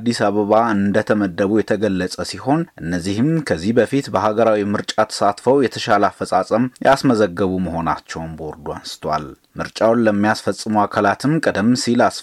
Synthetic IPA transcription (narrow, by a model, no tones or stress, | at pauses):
d̪ːisaβəβaɨnd̪ət̪ʰəməd̪ːəβujɛt̪ʰəɡəlːəsʼəsiho̞nʔɨnːəzːihɨmkʰəzːihbəfit̪bəhaɡəɾawimɨɾt͡ʃʼat̪ʰə̥sat̪fəwjɛt̪ʰəʃaləafːəsʼasʼəmja̰sməzəɡːəβuməɦo̞na̰t͡ʃːɛwnbəɔɾd̪ua̰nsɨ̥t̪ʰwa̰l | mɨɾt͡ʃʼawnləmːijasfəsʼːɨmuakʰalat̪ʰɨmkʼəd̪əmsilas